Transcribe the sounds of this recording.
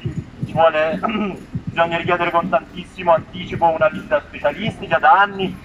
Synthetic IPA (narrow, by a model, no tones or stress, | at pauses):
t͡ʃivwɔːle | bizoɲːaɾik̬jɛːd̪eɾekont̪ant̪isːimoant̪iːt͡ʃipounavizit̪aspet͡ʃalist̪ikad̪aanːi